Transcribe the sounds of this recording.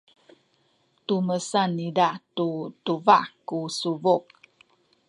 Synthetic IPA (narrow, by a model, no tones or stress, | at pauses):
t̪uməsanidaʔtut̪uvaʔkusuvuk̚